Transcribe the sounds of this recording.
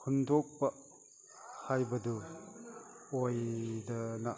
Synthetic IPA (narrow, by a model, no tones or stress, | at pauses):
kʰundʱok̚pɐ | hajbɐdu | ojdɐna